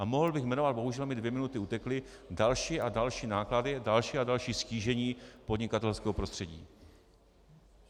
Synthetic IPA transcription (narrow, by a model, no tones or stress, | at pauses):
ʔamo̞ɦl̩bɪxmɛno̞vat̪̚bo̞ɦuʒɛlmɪdvjɛmɪnut̪ɪut̪ɛklɪ | dalʃiːʔadalʃiːnaːkladɪdalʃiːadalʃiːsciːʒɛɲiːpo̞dɲɪkat̪ɛlskɛːɦo̞pɾost̪r̥ɛɟḭː